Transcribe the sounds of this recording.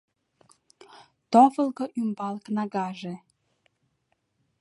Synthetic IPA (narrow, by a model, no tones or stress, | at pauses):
t̪ofəlɣoʔymbɑlknɑɣɑʒe